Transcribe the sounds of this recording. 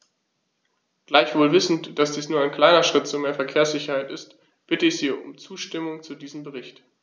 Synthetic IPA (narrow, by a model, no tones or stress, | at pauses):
ɡ̥laɪçv̥oːlvɪsn̩td̥asd̥iːsnuːɐaɪnkl̥aɪnɐʃʁ̥ɪt̚t͡sumeːɐfɛɐkʰeːɐsz̥ɪçɐhaɪtɪst | b̥ɪtəɪçz̥iːʊ̰mt͡suːʃtɪmʊŋt͡sudiːzəm̩bəʁɪçt